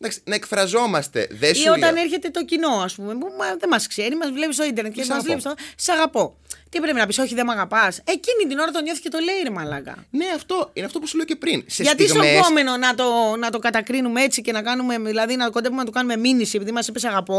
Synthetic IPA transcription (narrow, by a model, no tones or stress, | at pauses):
d̪ɐksnɐekfɾɐzo̞mɐst̪e̞̰ðesio̞t̪ɐneɾçe̞t̪e̞t̪o̞cino̞ɐspumepumɐðemɐskse̞ɾimɐzvle̞pist̪o̞ind̪eɾnet̪kemɐzzvlepist̪oseɐɣɐpo̞ | t̪ipɾe̞pinɐpiso̞çiðe̞mɐɣɐpɐse̞cinit̪ino̞ɾɐt̪o̞ɲo̞θi̥ce̞t̪o̞leiɾimɐlɐ̰kɐ̰ne̞ɐft̪o̞ineɐft̪o̞pusuleocepɾinseʝɐt̪ispome̞no̞nɐt̪o̞nɐt̪o̞kɐt̪ɐkɾinumeet͡sice̞nɐkɐnume̞ðilɐðinɐt̪okod̪evumenɐt̪okɐnume̞minisie̞piðimɐsipesɐɣɐpo̞